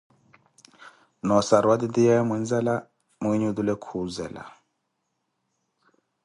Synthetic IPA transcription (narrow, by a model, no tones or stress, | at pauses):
nɔsaɾwad̪id̪ijɛmind͡zɛla | muiɲud̪ulɛkʰuzɛ̰la̰